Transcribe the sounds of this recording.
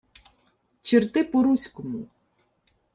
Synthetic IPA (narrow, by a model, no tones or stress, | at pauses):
t͡ʃɪrt̪ɪpɔɾusʲkʊmu